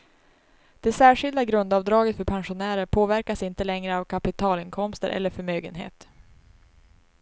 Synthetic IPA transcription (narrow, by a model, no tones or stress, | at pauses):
d̪̥ɛsæːʂɪld̪aɡɾɵnd̪ɑːvd̪ɾɑːɡət̪fœɾpʰanɧʊnæːɾəɾpʰoːvæɾkasɪnt̪əlɛŋɾəavkʰapɪt̪ʰɑːlɪnkʰɔmst̪əɾʔɛ̰lːəɾfœɾmøːɡənɦḛːt̪